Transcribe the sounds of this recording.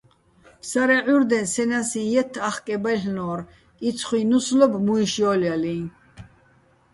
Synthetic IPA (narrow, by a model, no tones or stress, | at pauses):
pʰsaɾɛʕuɾd̪ɛnsɛnasĩjɛt̪ʰːaχkʼɛbaɬnɔːɾ | it͡sʰχwinuslɔbmuiʃjɔːljalĩ